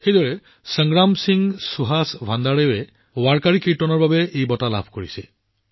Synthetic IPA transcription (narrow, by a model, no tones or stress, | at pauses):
xejdɔɹɛ | səŋɡɹamsiŋsuɦasbʱandaɹeɛ | waɹkaɹikiɹtɔnɔɹbabɛejbɔtala̰bʱkoɹisɛ̰